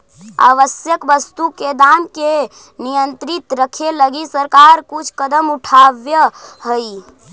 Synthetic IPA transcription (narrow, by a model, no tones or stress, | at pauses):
a̰ʋəsjəkbəst̪uked̪amke | nijənt̪ɾit̪ɾəkʰeləɡisəɾkaɾkut͡ʃʰkəd̪əmuʈʰaʋjəhəj